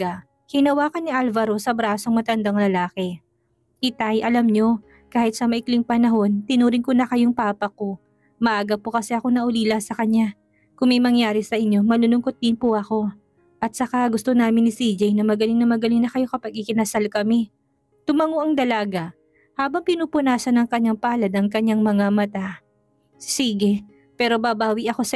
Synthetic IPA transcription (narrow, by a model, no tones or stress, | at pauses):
a | kɪnɐwaːkɐnːɪʔalvɐɾo̞sɐbɾaːsoŋmɐt̪ɐnd̪aŋlɐlaːkɛ | kɪt̪ajʔɐlɐmɲo̞ | kaːhɪt̪sɐmɐʔɪklɪŋpɐnɐɦo̞nt̪ɪnuːɾɪŋkonɐkɐjoŋpaːpɐko̞ | mɐʔaːɡɐpːokɐsɛɐko̞nɐʔʊliːlɐsɐkɐɲːa | kʊŋmɐjmɐŋjaːɾɪsɐʔɪɲjo̞mɐlʊlʊŋkot̪̚d̪ɪnpoʔɐko̞ | ʔɐt̪̚sɐkaɡʊst̪o̞naːmɪnːɪsid͡ʒɛjnɐmɐɡɐlɪŋnɐmɐɡɐlɪŋnɐkɐjo̞kɐpɐɡʔɪkɪnɐsalkɐmɛ | t̪ʊmɐŋoʔɐŋd̪ɐlaːɡa | haːbɐŋpɪnuːpʊnaːsɐnɐŋkɐɲːaŋpaːlɐd̪ɐŋkɐɲaŋmɐŋamɐt̪a | siːɡɛ | pɛːɾo̞babaːwiʔɐko̞sɐ